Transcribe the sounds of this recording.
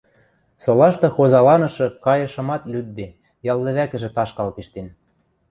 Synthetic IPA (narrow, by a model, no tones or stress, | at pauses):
solɑʃt̪ɤ̆xozɑlɑnɤ̆ʃɤ̆kɑjɤ̆ʃɤ̆mɑt̪lʲyd̪ːe | jɑlˠd̪ɘ̆βækɘ̆ʒĕt̪ɑʃkɑlpiʃt̪en